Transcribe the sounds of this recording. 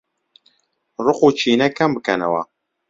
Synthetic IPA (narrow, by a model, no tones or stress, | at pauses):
rʊqut͡ʃʰiːnɛkʰɐmbɨkʰɐnɐ̰wɐ̰